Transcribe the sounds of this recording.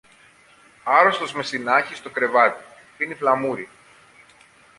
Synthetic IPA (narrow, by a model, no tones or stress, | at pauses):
ɐɾo̞st̪o̞zme̞st̪inɐçist̪o̞kɾe̞vɐt̪i̥ | finiflɐmuɾi